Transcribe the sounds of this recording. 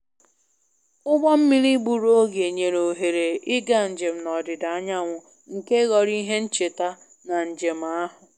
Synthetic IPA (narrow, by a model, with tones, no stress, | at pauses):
ʊ˦ɡ͡bɔ˦m̩˦mi˦ɾi˦ɡ͡bu˨ɾo˦ɡe˨ɲe˨ɾo˨ɦe˨ɾe˨ɪ˦ɡa˦n̩˨d͡ʒe˨m̩˨nɔ˨dɪ˨da˨a˦ɲa˦ŋʷʊ˨ | ŋ̩˨ke˦ɣɔ˨ɾi˦ɦe˦n̩˦t͡ʃe˨ta˦ | na˨n̩˨d͡ʒe˨m̩˨a˦ɦʊ˨